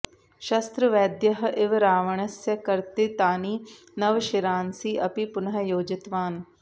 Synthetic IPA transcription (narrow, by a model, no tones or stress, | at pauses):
ʃɐst̪ɾəʋɛːd̪jəɦʔɪʋɾaːʋəɳəsjəkɐɾt̪et̪aːniː | nɐʋʃɪɾaːnsiːʔɐpipʊnəɦəjoːd͡ʒɪt̪ʋaːn